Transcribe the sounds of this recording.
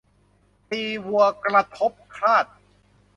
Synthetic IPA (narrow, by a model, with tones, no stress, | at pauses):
piː˧wu˧ɐkɾa˧t̪ʰo˦˥p̚kʰaː˥˩t̪̚